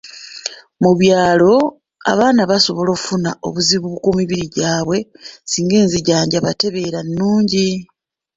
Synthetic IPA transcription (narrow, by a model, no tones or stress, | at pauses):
muβjaːlo̞ | a̰βaːnaβaso̞βo̞lo̞ːkfunao̞̰βuziβuβukwomiβiɾiɟaːβwe̞siːŋɡe̞ːnziɟaːɲɟaβate̞βe̞ɾanːuːɲɟi